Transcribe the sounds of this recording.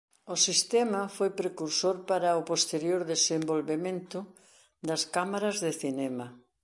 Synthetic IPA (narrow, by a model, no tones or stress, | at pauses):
osist̪ɛmɐfojpɾekuɾsoɾpaɾɐopost̪eɾjoɾðesembolβemẽnt̪ʊ | d̪ɐskamaɾɐzðeθinɛmɐ